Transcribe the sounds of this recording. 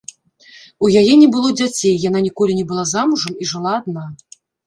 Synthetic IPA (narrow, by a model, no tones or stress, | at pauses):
ujajɛnʲɛbɨlˠɔd͡zʲat͡sʲejːan̪anʲikɔlʲinʲɛbɨlˠazamuʐɐmiʐɨlˠaːd̪̚na